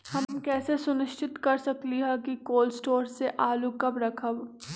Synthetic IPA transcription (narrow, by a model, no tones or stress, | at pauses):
hɐmkɛːsesʊnɪʃt͡ʃʰɪt̪kɐɾsɐkliɦɛkikoːlsʈoːɾseʔaːlukɐbɾɐkʰəb